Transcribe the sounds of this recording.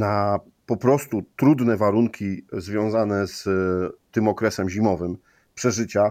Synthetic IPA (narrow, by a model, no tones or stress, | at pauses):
na | pɔpɾɔst̪ut̪ɾud̪nɛvaɾuŋkʲizvʲjɔ̃w̃zanɛst̪ɘmɔkɾɛsɛmʑimɔvɘm | pʂɛʐɘt͡ɕa